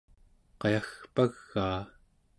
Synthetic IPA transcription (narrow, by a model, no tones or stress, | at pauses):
qɑjaxpaɣːaː